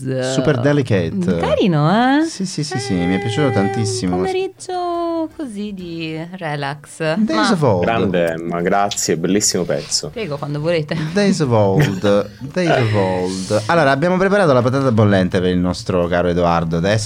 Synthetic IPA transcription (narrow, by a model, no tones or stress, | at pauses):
superd̪ɛliket̪ːaɾiːnoɛsisisisimiɛpːjat͡ʃut̪ot̪ant̪isːimoeɾid͡ʒokozid̪irɛlaksd̪ejzəvɔɡɾand̪emaɡɾat̪sːjebelːisːimopɛ̰t̪sopɾɛːɡokwand̪ovoleːt̪ed̪ejzəvɔld̪ | d̪ejzəvɔld̪alːoːɾaːbːjaːmopɾepaɾaːt̪olap̬at̪aːt̪abːolːɛnt̪epeɾilnɔst̪ɾokaːɾoed̪uard̪oad̪ɛs